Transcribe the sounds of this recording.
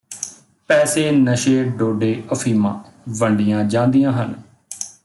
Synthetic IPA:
pɛːseːnəʃeːɖoːɖeːʔəfʰiːmã̰ː | ʋəɳɖɪjãːd͡ʒãːnd̪ijãːɦən

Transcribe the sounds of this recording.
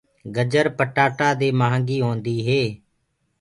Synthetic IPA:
ɡəd͡ʒəɾpəʈaːʈaːd̪eːmaɦãŋɡiːɦõːnd̪iːɦeː

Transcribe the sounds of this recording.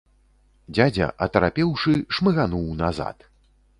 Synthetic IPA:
d͡zʲad͡zʲɐ̰ʔɐt̪ɐɾapʲɛwʂɨʂmɨɣanuwnaza̰t̪

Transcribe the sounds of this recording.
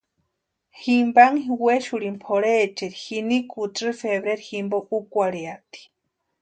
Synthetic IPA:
himbaŋɦiweʃuɾimpʰoɾet͡ʃeɾihinikut͡sɨfeβɾeɾiximboʔukʷaɾeat̪i̥

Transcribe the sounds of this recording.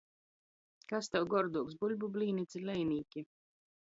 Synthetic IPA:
kast̪ɛwɡɔɾd̪uɔksbulʲbublʲiːnit̪sʲilʲɛjniːkʲi

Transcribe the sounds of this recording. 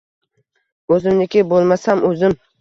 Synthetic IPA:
ɵzɪmnɪkʲɪbolˠmasamɵzɪm

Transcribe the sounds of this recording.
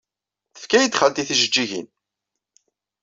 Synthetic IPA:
θə̥fkæjət̪ːχalt̪iθiʒəd͡ʒːiʝḭn

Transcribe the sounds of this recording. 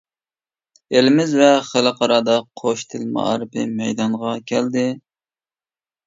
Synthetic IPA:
elɪmɪzvɛχəlˠɨqʰɑɾɑːd̪ɑqʰoʃt̪ʰɪlmɑ̰ɾɨpɪmɛjd̪ɑɴʁɑkʲʰɛld̪ɪ

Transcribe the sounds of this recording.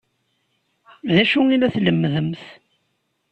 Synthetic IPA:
ðæʃuilæθləmːðəmθ

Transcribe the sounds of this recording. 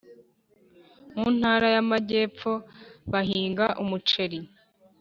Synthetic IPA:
muːn̥haːɾajamaɟe̞ːp͡fo̞βaɦiːŋɡaʔumut͡ʃe̞ɾi

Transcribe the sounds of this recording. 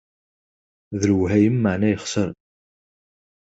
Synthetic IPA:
ðəlwɦæjəmːaʕnæjəχsəɾˤ

